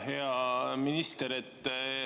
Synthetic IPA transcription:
ɦeɑminist̪eɾet̪ː

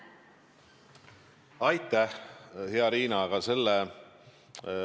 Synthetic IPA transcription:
ɑjt̪ːˑæhheɑɾiːnɑɡ̥ɑse̞lːe

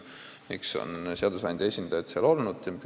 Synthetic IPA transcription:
mikso̞̰nseɑd̪̥usɑnd̪̥ʲɑe̞sʲind̪̥ɑjɑt̪seɑlo̞lnud̪̥p

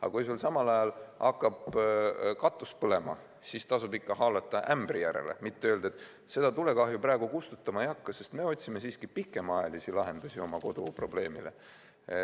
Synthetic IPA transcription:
ɑ̰kujsulsɑmɑlɑjɑlɑkˑːɑb̥ | kɑt̪ːˑuspɤle̞mɑ̰ | sist̪ɑsubikːɑɦɑːlɑt̪ːˑɑʔæmbrijæɾḛle̞̰mit̪ːeøːld̪̥et̪ːˑ | se̞d̪ɑt̪ule̞kɑɦjuprɑːɡ̥ukust̪ut̪ːˑɑmɑjɑkːɑse̞st̪me̞o̞t̪ʲsime̞siːskipikˑːe̞mɑjɑlisilɑɦe̞nd̪̥usʲio̞mɑko̞d̪̥upro̞b̥le̞ːmḭle̞̰

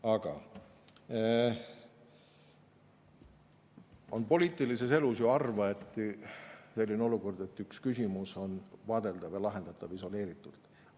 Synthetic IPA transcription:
ɑɡ̥ɑ̰ | o̞npo̞liːt̪ːˑilise̞se̞lusjoɑrvɑe̞t̪ːˑ | se̞lʲːineo̞luko̞rd̪̥e̞t̪ːˑykskysʲimuso̞nvɑːd̪̥e̞ld̪̥ɑvjɑlɑɦe̞nd̪̥ɑt̪ːˑɑviso̞le̞ːɾit̪ːˑult̪ˑ

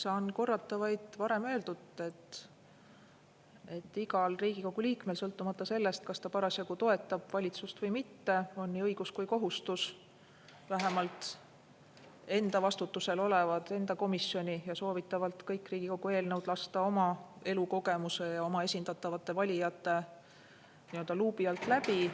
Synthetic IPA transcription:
sɑːnko̞rːɑt̪ːˑɑvɑjd̪̥vɑɾe̞mø̞ːld̪ud̪ˑe̞t̪ː | e̞t̪ːiɡɑlriːɡ̥iko̞ɡ̥uliːkme̞lsɤlt̪ːˑumɑt̪ˑːɑse̞lːe̞st̪̚kɑst̪ɑpɑɾɑsjɑɡ̥ut̪o̞e̞t̪ːˑɑb̥vɑlʲit̪sust̪vɤjmit̪ːe̞o̞nːiːɤjɡ̥uskujko̞ɦust̪us | væɦemɑlt̪ | e̞nd̪ɑvɑst̪ut̪ːuse̞lo̞levɑd̪̥e̞nd̪ɑko̞misjo̞nʲijɑso̞ːvit̪ːˑɑvɑlt̪kɤjkːriːɡ̥iko̞ɡ̥ue̞ːlnɤwd̪̥lɑst̪ɑo̞mɑe̞luko̞ɡe̞muse̞jɑo̞mɑe̞sʲind̪ɑt̪ːˑɑvɑt̪ːˑe̞vɑlʲijɑt̪ːˑe̞ | niø̞ld̪ɑluːbiɑlt̪ˑlæpi

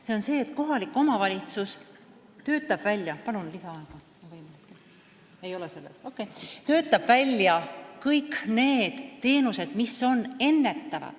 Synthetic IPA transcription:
se̞o̞nse̞ːt̪ko̞ɦɑlikːˑo̞mɑvɑlʲit̪sus | t̪ø̞ːt̪ːˑɑb̥vælʲjɑpɑnunlisɑɑeɡ̥ɑ | ɑvɑjmenet̪ki | e̞jo̞lese̞lːḛlo̞kːˑe̞jt̪ø̞ːt̪ːˑɑb̥vælʲjɑkɤjkne̞ːd̪̥t̪e̞ːnuse̞d̪̥miso̞ne̞nːe̞t̪ːɑvɑ̰d̪̥

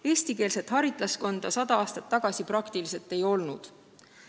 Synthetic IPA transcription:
e̞ːsʲt̪ikeːlset̪hɑɾit̪ˑlɑsko̞nd̪̥ɑsɑd̪ɑɑːst̪ɑt̪ːɑɡ̥ɑsipɾɑkt̪ilise̞lt̪ːˑe̞jo̞lnud̪̥

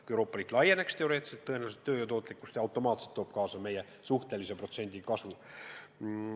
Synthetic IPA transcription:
kuewɾo̞ːpːˑɑliːt̪ːˑlɑje̞ne̞kst̪e̞o̞ɾe̞ːt̪ːˑselt̪ːɤ̞enæːlset̪ːøːjøt̪o̞ːt̪ˑlikːˑu̥st̪seɑwt̪ːˑo̞mɑːt̪selt̪ːoːb̥̚kɑːsɑme̞je | suht̪e̞lise̞pro̞t̪se̞nʲd̪̥ʲikɑsvu

